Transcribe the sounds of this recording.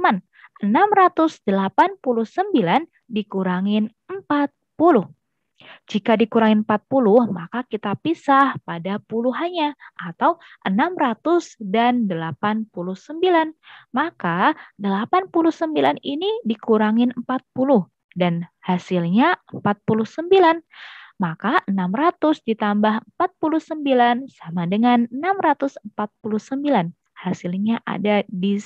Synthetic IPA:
man | ʔənamɾat̪ʊsdəlapanpulʊhsəmbilan | dikuɾaŋɪn | əmpat̪̚pulʊh | d͡ʒikadikuɾaŋɪnm̩pat̪̚pulʊhmakakit̪apisahpadapuluɦaɲaʔat̪awʔənamɾat̪ʊsdandəlapanpulʊhsəmbilanmakadəlapanpulʊhsəmbilaninidikuɾaŋɪnəmpat̪̚pulʊh | danhasɪlɲaəmpat̪̚pulʊhsəmbilanmakaənamrat̪ʊsdit̪ambaɦəmpat̪̚pulʊhsəmbilansamadəŋanənamrat̪ʊsəmpat̪̚puluhsəmbilan | hasɪlɲaʔa̰dadi

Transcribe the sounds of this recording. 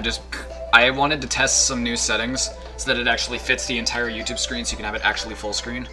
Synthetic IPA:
d͡ʒʌsʰ | aɪwɑ̃ñɨd̚tɨtʰɛstsʌ̃mnʉ̥sɛɾɪ̃ŋz̥ | soʊðɨɾɨɾæk̚t͡ʃul̩ˠifɪtsðiɨ̃ntʰaɪə˞jʉtʰʉb̥skɹĩnsjɨkɨ̃nɨvɨɾʔæ̰k̚t͡ʃul̩ˠifʊlˠskɹĩn

